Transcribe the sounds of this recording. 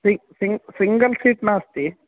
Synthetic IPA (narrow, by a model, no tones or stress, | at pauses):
sisiŋsiŋɡɐlsiːʈnaːɐst̪i